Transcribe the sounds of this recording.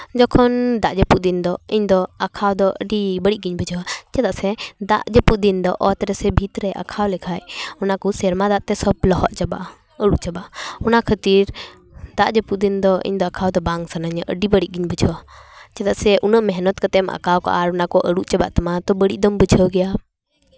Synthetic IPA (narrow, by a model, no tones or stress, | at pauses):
d͡ʒɔkʰɔnd̪aʔd͡ʒəpuʔ̚d̪ind̪ɔiɲd̪ɔakʰawd̪ɔʔəɖibəɽiʔɡiɲbəd͡ʒʱɔwat͡ʃɛt̪aʔsɛd̪a̰ʔd͡ʒəpuʔ̚d̪ind̪ɔʔɔt̪ɾɛsɛbʱit̪ɾɛʔa̰kʰawlɛkʰajɔnakusɛɾmad̪aʔt̪ɛsɔblɔɦɔʔt͡ʃaba̰ʔ | əɽuʔt͡ʃabaʔɔnakʰət̪iɾ | d̪aʔd͡ʒəpuʔd̪ind̪ɔʔḭɲd̪ɔakʰawd̪ɔbaŋsanaɲʔə̰ɖibəɽiʔ̚ɡiɲbəd͡ʒʱɔwat͡ʃat̪aʔsɛʔunəʔmɛɦnɔt̪kət̪ɛmʔa̰kʰawkɔ̰ʔaɾɔnakɔʔəɽuʔt͡ʃaba̰ʔt̪amat̪ɔbəɽiʔd̪ɔmbəd͡ʒʱəwɡɛja